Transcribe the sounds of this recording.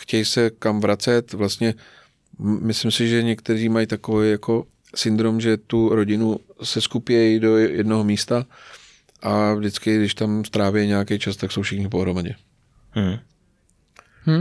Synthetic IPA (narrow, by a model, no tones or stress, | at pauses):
xcɛjsɛkamvɾat͡sɛt̪vlast̪ɲɛ | mɪslɪmsɪʒɛɲɛkt̪ɛɾiːmajt̪ako̞vɛjjako̞ | sɪnd̪ɾomʒɛt̪uɾo̞ɟɪnusɛskupɪɛjdo̞jɛ̰dnoɦomiːst̪a | ʔavdɪt͡skɪɡdɪʃt̪amst̪ɾaːvɪɛjɲɛjakɛjt͡ʃast̪akso̞wfʃɪxɲɪp̬o̞ɦɾo̞maɟɛ | h̩